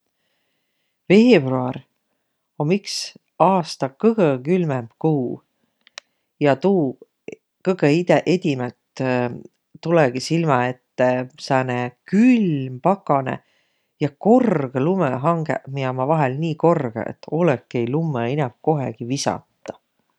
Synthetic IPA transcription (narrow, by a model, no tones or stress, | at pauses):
ve̞ːb̥ruɑr | omiks | ɑːst̪ɑkɤɡ̥əkylmemb̥kuː | jɑt̪uː | kɤɡeid̪eʔed̪̥ʲimelt̪ | t̪ːuleɡ̥isilmɑet̪ːesɑːnekylmpɑkːɑnḛ | jɑko̞rɡ̥elumeɦɑŋɡ̥ḛmiɑmɑvɑɦɛlniːko̞rɡ̥ḛḛt̪ːo̞lekːˑejlumːeinɑmko̞ɦḛɡ̥ivisɑ̰t̪ˑːɑ